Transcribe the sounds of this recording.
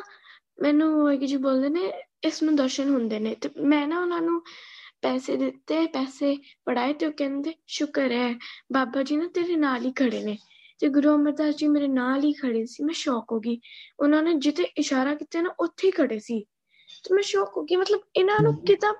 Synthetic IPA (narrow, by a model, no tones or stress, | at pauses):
mɛ̃ːnũːoɡd͡ʒiːboːld̪eːneːɪsnũːd̪əɾʃənɦʊnd̪eːneːt̪eːmɛ̃ːnãːʊnãːnũːpɛːseːd̪ɪt̪ːeːpɛːseː | pəɽaːeːt̪eːoːkɛ̃ːnd̪eːʃʊkəɾɛːbaːbaːd͡ʒiːnãːt̪eːɾeːnaːliːkʰəɽeːneː | t̪eːɡʊɾuːəməɾd̪aːsd͡ʒiːmeːɾeːnaːliːkʰəɽeːsiːmɛ̃ːʃɔːkɦoːɡiːʊnãːnẽːd͡ʒɪt̪eːʔɪʃaːɾaːkiːt̪eːnaːʔʊt̪ʰːeːiːkʰəɽeːsiː | t̪eːmɛ̃ːʃɔːkɦoːɡiːmət̪ləbɪnãːnũːkɪt̪ãː